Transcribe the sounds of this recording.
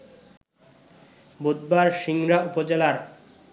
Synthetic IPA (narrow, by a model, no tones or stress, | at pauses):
bud̪̚baɾʃiŋɾaupod͡ʑelaɾ